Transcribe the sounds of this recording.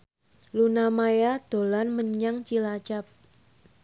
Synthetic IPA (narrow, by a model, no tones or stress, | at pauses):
lunamajad̪̥o̤lanməɲaŋt͡ʃilat͡ʃap̚